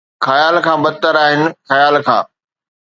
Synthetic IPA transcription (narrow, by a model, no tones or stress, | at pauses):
xɐjaːlkʰãːbɐt̪əɾaːɦɪnɪ̆xɐjaːlkʰã̰ː